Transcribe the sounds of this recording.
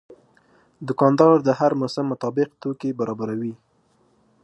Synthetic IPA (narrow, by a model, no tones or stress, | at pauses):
d̪ʊkɑnd̪ɑɾd̪əhaɾmosɪmːʊt̪ɑbɪqt̪okebaɾɑbaɾawi